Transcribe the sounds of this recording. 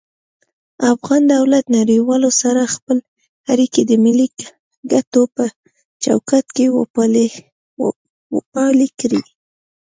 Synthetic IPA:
afɣɑnd̪awlat̪naɾiwɑlosaɾaxpəl | aɾikid̪əmɪlik | ɡat̪opə | t͡ʃa̰wkat̪kew | wpɑlikɾi

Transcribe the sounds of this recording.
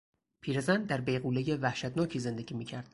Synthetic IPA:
pʰiːɾezænd̪̚d̪æɾbejɣuːleje̞væhʃæt̪nɒːcʰiːze̞nd̪e̞ɟʲiːmiːcʰæɾd̪̥

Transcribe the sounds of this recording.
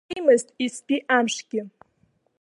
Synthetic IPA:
mɨztʼispʼiʔamʂɡ̥ʲɪ

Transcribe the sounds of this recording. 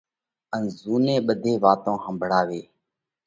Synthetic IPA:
ənzuːnẽːɓəd̪ʱeːʋaːt̪õːhəmbʱɽaːʋeː

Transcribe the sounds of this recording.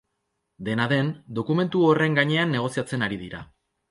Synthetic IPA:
d̪e̞naðe̞nd̪o̞kume̞nt̪uo̞re̞ŋɡaɲe̞anːe̞ɣ̞o̞siat͡se̞naɾiðiɾa̰

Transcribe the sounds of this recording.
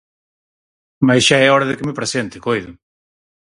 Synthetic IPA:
masʃaɛɔɾɐðɪkɪmɪpɾesent̪ɪkojðʊ

